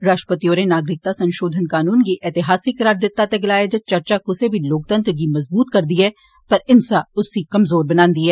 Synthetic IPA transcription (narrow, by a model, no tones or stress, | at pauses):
ɾaːʃʈəpət̪ijoːɾenaːɡɾɪk̚t̪asɐ̃nʃoːd̪ʱənkaːnuːnkiʔɛːt̪ɪɦaːsikɐɾaːɾd̪ɪt̪ːat̪eɡɪlaːed͡ʒɐt͡ʃɐɾt͡ʃakʊsebʱiloːk̚t̪ə̃nt̪ɾk̬imɐzbuːt̪kɐɾd̪iɦɛː | pɐɾɪnsaʊsːikɐmzoːɾbɐnãːnd̪iɦɛː